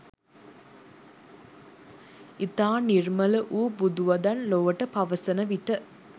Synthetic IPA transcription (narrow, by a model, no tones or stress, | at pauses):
ɪt̪aːniɾmɐlɐʔuːbud̪uʋɐd̪ɐnloːʋɐʈːɐpɐʋɐsɐnɐʋiʈːɐ